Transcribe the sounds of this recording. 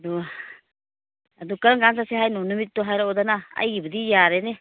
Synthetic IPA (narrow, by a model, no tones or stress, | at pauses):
du | adukaɾaŋɡansaseɦajnɔnumit̚tɔɦajɾaɔdanaa̰jɡibɐdijaɾene